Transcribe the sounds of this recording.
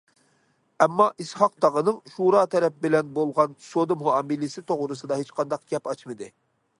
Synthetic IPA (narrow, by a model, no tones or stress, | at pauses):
ɛmːɑʔishɑq̚t̪ɑʁənɨŋʃuɾɑːt̪ʰɛɾɛp̚bɪlɛnbolˠʁɑnsod̪ɨmuɑmilɪsɪt̪ʰoʁɾɨsɨd̪ɑɦet͡ʃqʰɑnd̪ɑq̚ɡʲɛpɑt͡ʃmɨd̪ɨ